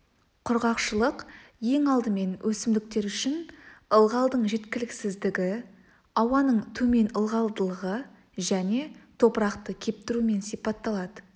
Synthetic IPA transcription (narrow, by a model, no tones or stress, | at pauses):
qʰʊɾʁɑqʃəlˠəqje̞ŋɑlˠd̪əme̞nwʔɵsɪmd̪ɪk̚t̪e̞ɾʏʃɪnəlˠʁɑlˠd̪əɴʒe̞t̪kʲɪlɪksɪzd̪ɪɡʲɪ | ɑwɑnəɴt̪ʰɵme̞nəlˠʁɑlˠd̪əlˠəʁə | ʒæne̞t̪ʰo̞pəɾɑqt̪əkʲʰe̞p̚t̪ɪɾume̞nsijpɑt̪ːɑlˠɑd̪ə